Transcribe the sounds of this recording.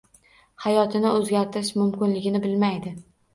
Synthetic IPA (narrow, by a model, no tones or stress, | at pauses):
hajɒt̪ʰɪnɪɵzɡʲaɾt̪ɪɾɪʃmʊmkʲɪnlɪɡʲɪnɪbɪlmajd̪ɪ